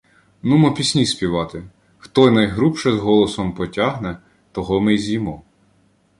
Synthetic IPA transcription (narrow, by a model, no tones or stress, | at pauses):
numɔpʲisʲnʲisʲpʲiʋɑt̪ɪ | xt̪ɔjnɐjɦɾupʃɛzɦɔlˠɔsɔmpɔtʲaɦnɛ | t̪ɔɦɔmɪjzʲijmɔ